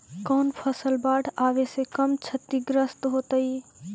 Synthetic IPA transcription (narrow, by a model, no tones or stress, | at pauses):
kɔːnpʰəsəlbaːʈʰaːʋesekəmt͡ʃʰət̪ːiɡɾəst̪ɦoːt̪əi